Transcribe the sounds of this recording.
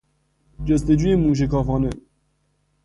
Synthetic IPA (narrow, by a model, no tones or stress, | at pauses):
d͡ʒes̬t̪ed͡ʒuːjemuːʃ̬ekɑːfɑːne